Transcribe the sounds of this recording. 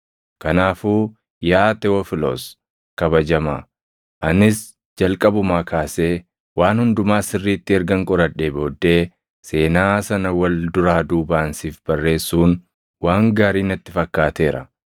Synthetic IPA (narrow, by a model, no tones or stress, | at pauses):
kɐnaːfuː | jaːt̪ɛɔfɪlo̰s | kɐbɐd͡ʒɐmɐ̰ | ʔɐnɪs | d͡ʒɐlkʼɐbʊmaːkʰaːseː | waːnhʊnd̪ʊmaːsɪrːiːt̪ːɪɛɾɡɐŋkʼɔɾɐᶑeːbo̞ːd̪ːe̞ː | se̞ːnaːsɐnɐwɐld̪ʊɾaːd̪uːbaːnsiːfb̥ɐrːe̞ːsːuːn | waːŋɡaːɾiːnɐt̪ːɪfɐkːaːt̪e̞ːɾʔɐ̰